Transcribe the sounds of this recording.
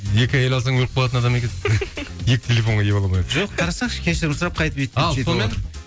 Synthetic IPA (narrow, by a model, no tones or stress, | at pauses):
e̞kʲɪjelʲɑzəɴwoq̚bolˠɑt̪ənɑd̪ɑme̞kʲenjekʲt̪ʲʰe̞lʲefo̞ɴʁɑjebolˠɑmɑjd̪ʒoqt̪ʰɑɾɑsɑqʃkʲʰeʃɪɾbʊsəɾɑp̚qʰɑjt̪əpet̪ːɑlˠesomen